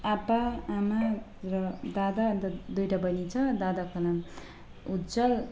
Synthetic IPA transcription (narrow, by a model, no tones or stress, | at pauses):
apaːma | rʌd̪ad̪aʌnt̪ʌd̪ujʈabʌnit͡sʰʌd̪ad̪akʌnam | ud͡zʌl